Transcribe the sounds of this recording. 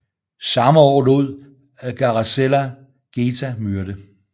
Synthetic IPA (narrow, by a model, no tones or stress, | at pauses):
sɑ̈məɒ̰ːluð̰ˠ | æɡ̥ɑ̈ʁɑselæ | ɡ̥eːt͡sʰæmyɐɾ̥ə